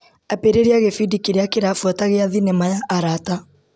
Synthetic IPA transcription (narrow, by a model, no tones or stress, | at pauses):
apeɾeɾeaɣefidikiɾeakeɾaːfwɔtaɣeaðinɛmajaʔːɾata